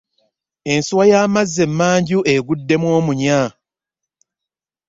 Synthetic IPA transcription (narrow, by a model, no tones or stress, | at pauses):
e̞nsuwajaːmazːe̞mːaːɲɟuʔe̞ɡudːe̞mwo̞ːmuɲa